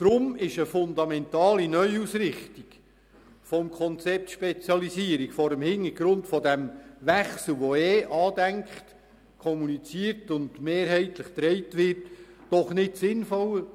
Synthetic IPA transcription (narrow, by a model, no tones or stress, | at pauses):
d̪̥ɾʊmɪʃəfʊndɑmɛntɑːlinœʏusɾɪχtik | fɔmkʰɔnt͡sɛp̚tʃpɛt͡sjɑlisiəɾikfɔɾəmhɪnəɾɡ̥ɾʊntfɔdæmʋæχsl̩ˠʋɔɛːʔɑːdæŋkχt | kʰɔmunit͡siəɾtʊndmeːɾɦɛɪtləχt̪ɾɛɪtʋɪrtːɔχnɪtsɪnfɔl